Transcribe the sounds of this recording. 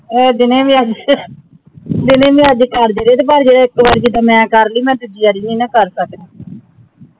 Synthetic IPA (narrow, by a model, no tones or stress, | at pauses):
ɛːd̪ɪneːmĩːəd͡ʒ | d̪ɪnẽːmĩːəd͡ʒkəɾd͡ʒeɾeːd̪eːbaːɾd͡ʒeːɽaːɪkʋaːɾd͡ʒiːd̪aːmɛ̃ːkəɾliːmɛ̃ːt̪ʊd͡ʒiːəɾiːnĩːnãːkəɾsəkd̪aː